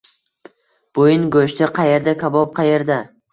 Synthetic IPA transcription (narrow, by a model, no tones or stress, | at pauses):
b̥ojɪnɡɵʃt̪ɪqʰɑje̞ɾd̪akʲʰabɒp̚qʰɑje̞ɾd̪a